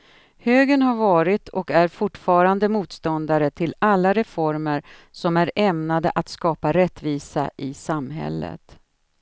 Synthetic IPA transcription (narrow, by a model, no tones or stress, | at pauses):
høːɡənhaɾvɑːɾɪt̪ʰɔkæɾfʊʈːfɑːɾand̪əmuːt̪st̪ɔnd̪aɾət̪ʰɪlalːaɾɛfɔɾməɾsɔmæɾɛmnad̪əʔat̪skɑːpaɾɛt̪ːviːsa̰ʔɪsamɦɛ̰lːə̰t̪